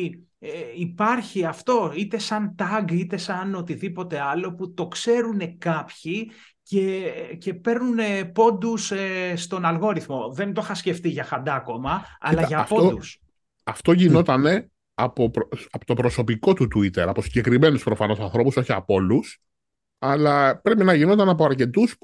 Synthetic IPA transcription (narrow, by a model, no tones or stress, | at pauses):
eipɐɾçiɐft̪o̞it̪e̞sɐnt̪ɐɡit̪e̞sɐno̞t̪iðipo̞t̪e̞ɐlo̞put̪o̞kse̞ɾune̞kɐpçi | ce̞ce̞pe̞ɾnunepo̞nd̪usest̪o̞nɐlɣo̞ɾiθmo̞ðe̞nt̪o̞xɐsce̞ft̪iʝɐxɐnd̪ɐko̞mɐɐ̰lɐʝɐfpo̞d̪us | ɐft̪o̞ʝino̞t̪ɐne̞ | ɐpopɐpot̪o̞pɾo̞so̞piko̞t̪ut̪uit̪e̞ɾɐposi̥ɲɟe̞kɾime̞nuspɾo̞fɐno̞sɐnθɾo̞puso̞çiɐpo̞lus | ɐlɐpɾe̞pinɐʝino̞t̪ɐnɐp̬oɐɾce̞t̪us